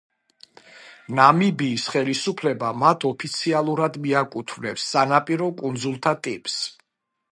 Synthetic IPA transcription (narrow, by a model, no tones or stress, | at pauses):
namibiːsχɛlisupʰlɛbamat̪ʰɔpʰit̪sʰialˠuɾad̪miakʼut̪ʰvnɛpsːanapʼiɾɔkʼund̪zulˠt̪ʰat̪ʼipʼs